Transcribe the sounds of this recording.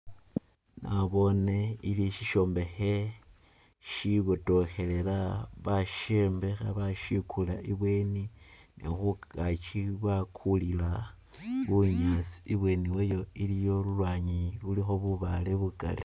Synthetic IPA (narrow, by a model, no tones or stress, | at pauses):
naβo̞ne̞iliʃiʃo̞mbe̞xe̞ | ʃiβoto̞xe̞le̞laβaʃembe̞xa̰βaʃikʰulaʔiβwe̞ːninḛxukat͡ʃiβakʰulila | βuɲat͡si̥iβwe̞niwejo̞ilijo̞lulwaːɲilulixo̞βuβale̞βuka̰li